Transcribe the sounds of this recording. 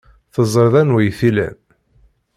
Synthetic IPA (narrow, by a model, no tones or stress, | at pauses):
θəzˤːɾðænwæjθilæ̰n